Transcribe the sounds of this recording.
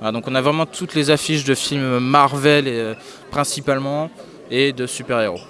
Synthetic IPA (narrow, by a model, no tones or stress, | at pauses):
valad̪ɔ̃kɔ̃navʁɛmɑ̃t̪ʰut̪lezafiʃd̪əfilmːaʁvɛleø | pχɛ̃sipalmɑ̃ | ed̪əsypɛʁeʁo